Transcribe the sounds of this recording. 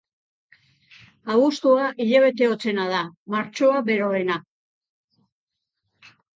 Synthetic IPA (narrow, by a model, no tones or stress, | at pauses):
aβust̪uaʔiʎeβ̞e̞t̪e̞o̞t͡se̞nað̞amaɾt͡ʃoaβe̞ɾo̞e̞na